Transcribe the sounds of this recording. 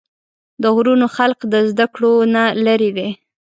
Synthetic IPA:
d̪əɣɾunoxalqd̪əzd̪akɽonalaɾid̪e

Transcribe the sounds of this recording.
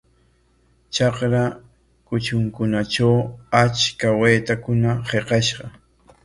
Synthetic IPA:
t͡ʃɑqɾa | kʊt͡ʃʊŋkʊnat͡ʃawat͡ʃkaweːt̪akʊnaheqɑʃɢɑ

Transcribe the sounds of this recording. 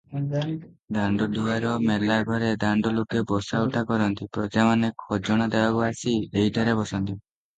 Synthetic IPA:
d̪aɳɖɔd̪uaɾɔmelaɡʱɔɾed̪aɳɖɔlokebɔsauʈʰakɔɾɔnt̪ipɾɔd͡ʒamanekʰɔd͡ʒɔɽ̃ad̪ebakuasieɦidʱaɾebɔsɔnt̪i

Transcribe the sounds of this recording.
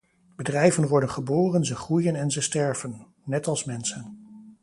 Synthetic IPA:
b̥ədrɛjvənʋɔɹdənχəboːrənzəχrujənɛnzəstɛɹvənː | ɛtɑlˠsmɛnsən

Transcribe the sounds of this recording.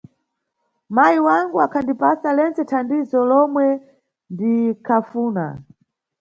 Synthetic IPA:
majiwaŋɡuakʰandipasalɛnt͡sɛtʰandizɔlɔmwɛ | ndikʰafuːna̰

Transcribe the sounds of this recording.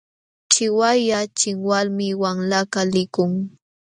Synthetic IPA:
ʈ͡ʂɪwajat͡ʃɪŋwalmɪwaŋlakalɪkʊŋ

